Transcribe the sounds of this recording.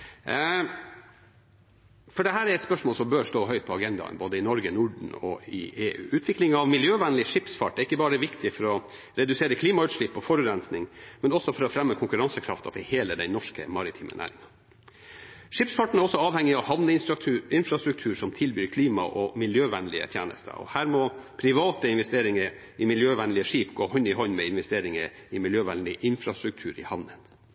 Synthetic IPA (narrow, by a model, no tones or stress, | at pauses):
fɔɖɛɦæːɾæɾɛt̪spœʂmoːlsɔmbøːɾʂt̪oːɦœʏt̪̚pʰɔɑɡɛnd̪ɑ̰ə̰nboːd̪əɪnɔɾɡənʊɖɳ̩ɔ̰ɪ̰eːʔʉ̰ːʔʉːt̪ʰʋɪklɪŋɑʋmɪljøːʋænəlɪʂɪpsfɑʈːɛɾɪkːəbɑːɾəʋɪkt̪ʰɪfɔɾɔ | ɾɛd̪ʉseːɾəkʰliːmɑʉːt̪ʂɭɪpːɔfɔɾʉɾɛnsnɪŋmɛnɔsːɔfɔɾɔfɾɛmːəkʰʊŋkʉɾɑnsəkʰɾɑ̰ft̪ʰɑ̰fɔheːləd̪ɛɪnɔʂkə̰mɑɾɪt̪ʰiːmʔə̰næ̰ːɾɪ̰ŋɑ | ʂiːpsfɑʈɳ̩æɾɔsːɔɑːʋhɛŋːɪɑʋhɑʋnəɪnfɾɑst̪ɾʉk̚t̪ʰʉːʂɔmt̪ʰɪlbyːɾkʰliːmɑ̰ʔɔmɪljøːʋɛnlɪə̰t̪ʰjḛːnə̰st̪ʰə̰ɔ̰hæːɾmɔpʰɾɪʋɑːt̪əɪnʋɛst̪eːɾɪŋəɾ | ɪmɪljøːʋɛnlɪəʂiːpɡoːɦɔnːɪɦɔnːmɛɪnʋɛst̪eːɾɪŋəɾɪmɪljøːʋɛnlɪʔɪnfɾɑst̪ɾʉk̚t̪ʰʉːɾɪ̰hɑnən